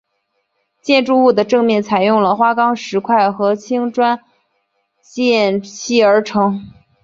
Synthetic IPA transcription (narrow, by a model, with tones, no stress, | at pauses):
t͡ɕjɛ˥˧nʈ͡ʂu˥˧u˥˩d̪ə˩ʈ͡ʂɤ˥˧ŋmjɛ˥˩nt͡sʰa˨˩ɪjʊ˥˩ŋlə˩xwa˥kɑ˥ŋʂɻ̩˧˥kʰwa˥˩ɪxɤ˧˥t͡ɕʰi˥ŋʈ͡ʂwa˥n | t͡ɕjɛ˥˩ɕʰi˥˩ə˞˧˥ʈ͡ʂʰɤ˧˥ŋ